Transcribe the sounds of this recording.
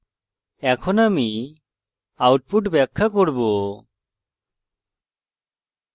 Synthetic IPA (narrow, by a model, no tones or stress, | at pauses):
ɛkʰɔnami | awʈ̚puʈbɛkʰːakɔɽbu